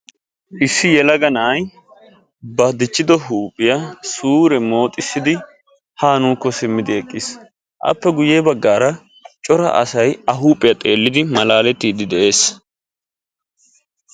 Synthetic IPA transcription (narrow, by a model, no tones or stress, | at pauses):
ʔɪsːɪjɛlɐɡɐnɐːj | bɐd̪ɪt͡ʃːɪd̪ɔɦuːpʼːɪjɐsuːɾɛmo̞ːt̪ʼɪsːɪd̪ɪ | haːnuːkːɔsɪmːɪd̪ɪɛkʼːɪs | ʔɐ̰pːɛɡʊjeːbɐɡːaːɾɐ | t͡ʃʼɔɾɐ̰ʔɐ̰sɐjɐɦuːpʼːɪjɐt̪ʼe̞ːlːɪd̪ɪmɐlaːlɛt̪ːiːd̪ɪd̪ɛʔe̞ːs